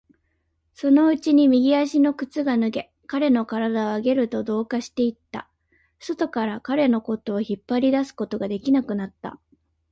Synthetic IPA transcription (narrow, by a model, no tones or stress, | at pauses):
so̞no̞ɯ̟t͡ɕiɲ̟imʲiɡʲiaɕino̞kɯ̟t͡sɨɡanɯ̟ɡe̞ | kaɾe̞no̞kaɾad̪aoaɡe̞ɾɯ̟t̪o̞d̪o̞ːkaɕi̥t̪e̞it̪ːa̰ | so̞t̪o̞kaɾakaɾe̞no̞ko̞t̪o̞ːçipːaɾʲid̪asɨ̥ko̞t̪o̞ɡad̪e̞kʲinakɯ̟nat̪ːa̰